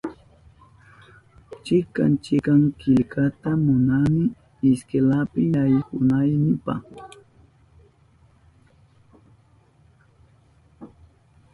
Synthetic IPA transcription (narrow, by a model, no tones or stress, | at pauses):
t͡ʃɪka̰nt͡ʃɪkaŋkɪʎkat̪amʊnamɪ | ɪskelapɪajhʊnajnɪpa̰χ